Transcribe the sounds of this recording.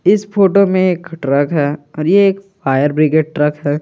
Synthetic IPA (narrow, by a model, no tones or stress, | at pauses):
ɪspoːʈomẽeːkʈɾəkɦɛːɔːɾjeːkfʰaːjəɾbɾɪɡeːɖ̚ʈɾɐkɦɛː